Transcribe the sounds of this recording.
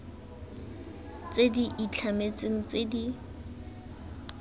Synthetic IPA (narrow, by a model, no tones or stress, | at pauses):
t͡sediʔit͡ɬʰamet͡seŋ̩t͡sedi